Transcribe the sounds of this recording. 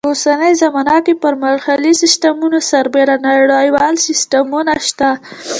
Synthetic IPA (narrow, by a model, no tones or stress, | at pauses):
osanəjzamɑnakepəɾmalxalisɪst̪amunosaɾbeɾanaɽajwɑlsɪstamunaʃt̪a